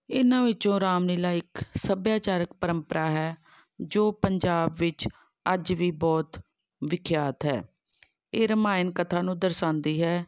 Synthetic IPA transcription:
ɪnãːʋɪt͡ʃõːɾaːmniːlaːɪksəbjaːt͡ʃaːɾək̚pəɾəmpəɾaːɦɛː | d͡ʒoːpəɲd͡ʒaːbʋɪt͡ʃ | əd͡ʒʋiːbɔːt̪ | ʋɪkʰjaːt̪ɦɛ̰ː | eːɾəmaːɪnkət̪ʰãːnũːd̪əɾsãːnd̪iːɦɛː

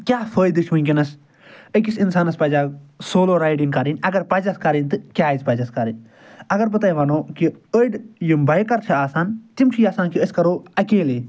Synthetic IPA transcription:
kʲaːfəːjd̪iʃʋunʲkʲinɐs | əkisinsaːnɐspɐd͡ʒaːsoːloːɾaːjɖiŋkɐɾinʲɐɡɐɾpɐd͡ʒɐskɐɾinʲt̪ɨkʲjaːizpɐd͡ʒɐskɐɾinʲ | ɐɡɐɾbɐt̪aːiʋɐnoːkiəjɖjimbɐjkɐɾt͡ʃʰiaːsaːnt̪imt͡ʃʰijaːsaːnkiəskɐɾoːɐkeːleː

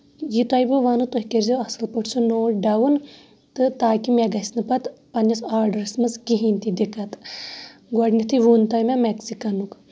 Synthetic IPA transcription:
jit̪ɐjbɨʋanut̪oɦʲikeɾzeɐsɨlpəʈʰt͡ʃʰunoːɖɐwun | t̪ɨt̪aːkimʲeɡɐsʲnɨpɐt̪pɐnʲɐsaːɾɖɐɾismɐskiɦint̪id̪ikɐt̪ | ɡɐɽnʲit̪ʰiʋunt̪ɐjmameksikɐnuk

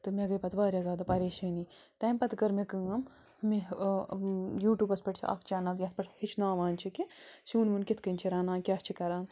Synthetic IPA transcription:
t̪ɨmeɡɐjpɐt̪ʰbaːɾʲjazaːd̪apɐɾeːʃɐnit̪ɐːmpɐt̪ɡɐɾmekɨŋɐm | mi | juːʈʲjuːbɐspɐʈt͡ʃʰḭʔɐ̰kʰt͡ʃaːnɐljɐspɐʈhit͡ʃʰnaːʋaːnt͡ʃʰikisuːnʋunkit̪ʰkɐnʲt͡ʃʰiɾaːnaːnkʲast͡ʃʰikɐɾaːn

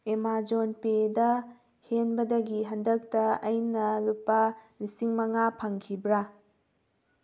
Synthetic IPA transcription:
emad͡ʒonpedɐ | henbɐdɐɡiɦɐndɐk̚tɐɐjnɐlupːɐlisiŋmɐŋapʰɐŋkʰibɾa

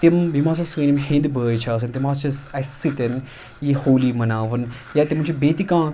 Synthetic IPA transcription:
t̪imbʱimãːs̬ɐsĩːnimɦĩnd̪bəːjt͡ʃʰaːs̬ɐnt̪imaːst͡ʃiɐsit̪ɐn | jehoːlimɐnaːʋɨn | jat̪imnt͡ʃʰibeːt̪ikãː

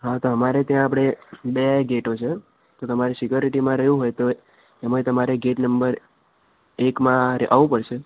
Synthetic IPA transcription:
ɦat̪oɦəmaɾet̪jãːpɽ̃ebeɡeʈot͡ʃʰe | t̪ot̪əmaɾisikjoɾiʈimãɾəɦjũɦojt̪o | emat̪əmaɾeɡeʈnəmbəɾ | ekmãɾeʔaʋũpəɽʃʰe

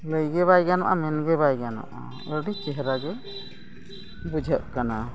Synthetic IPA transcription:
ləjɡɛβajɡana̰ʔamɛnɡɛβajɡana̰ʔa̰ | əɖit͡ʃɛɦɾaɡɛ | bud͡ʒʱəʔkana

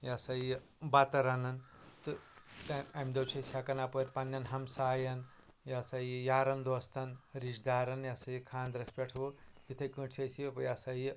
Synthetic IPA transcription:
jasɐji | bɐt̪ɐɾɐnɐn | t̪ɨt̪ɐɐmʲd̪ɐwt͡ʃʰɐjsʲakɐnapɐɾʲpɐnːɐnɦɐmsaːjɐn | jasɐjijaːɾɐnd̪oːst̪ʰɐnɾid͡ʒd̪aːɾɐnjasɐjikʰaːnd̪ɾɐspʲeʈʰʋot̪it̪ʰɐkɨ̃t͡ʃʰɐsipjasɐj

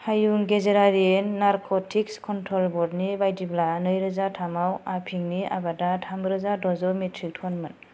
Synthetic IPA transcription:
hajuŋɡezeɾaɾienːaɾkʰɔtʰikskʰɔntʰɾɔlbɔdnibajdiblanɯjɾɯzatʰamawapʰiŋnia̰badatʰamɾɯzadɔzɔmetʰɾik̚tʰɔnmɯn

